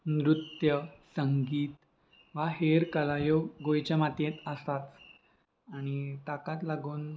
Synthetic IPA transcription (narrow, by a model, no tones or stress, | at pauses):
nɾut̪jəsəŋɡiːt̪ | ʋaɦeɾkəlajoɡojt͡ɕamat̪jet̪əst̪at̪ | añit̪akat̪laɡuːn